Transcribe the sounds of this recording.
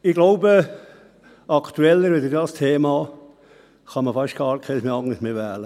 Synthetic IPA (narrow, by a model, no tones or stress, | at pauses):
ɪɡloʊbə | ʔɑkʰt̪uɛlːəɾʋɪd̪əɾdɑːst̪ʰeːmɑː | χɑməfɑʃt̚ɡ̥ɑːɾkʰɛsmeɑŋəʃmeʋæːlə